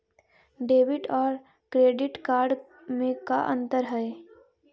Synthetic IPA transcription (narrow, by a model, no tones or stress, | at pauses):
ɖeːʋɪʈɔːɾ | kɾeːɖɪʈkaːɾɖ | mẽkaʔə̰̃nt̪əɾɦɛe